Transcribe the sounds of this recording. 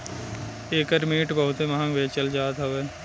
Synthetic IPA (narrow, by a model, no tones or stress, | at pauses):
eːkəɾmiːʈbɐɦʊt̪emɐɦãʋeːt͡ʃəld͡ʒaːt̪ɦɐʋeː